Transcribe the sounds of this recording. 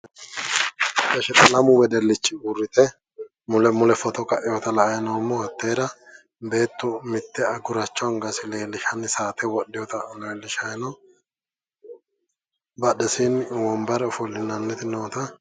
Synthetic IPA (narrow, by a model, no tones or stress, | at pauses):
ʔɐʃɛt̪ɐlɐmʊwɛd̪ɛlːɪt͡ʃːɪɡʊrːɪt̪ɛ | mʊlɛmʊlɛfɔt̪ɔkɐʔɪjot̪ɐlɐjɛnoːmːɔhɐt̪ːeːd̪ɐ | be̞ːt̪ːɔmɪt̪ːɛɐɡʊɾɐt͡ʃːɔŋɡɐsɪle̞ːlːɪʃɐnɪsaːt̪ʰɛwɔɗːɪjɔt̪ɐʔleːlːɪʃɐjnɔ | bɐɗɛsinwɔmbɐɾɛɔfɔlːɪnːɐnːɛt̪ɪnoːt̪ɐ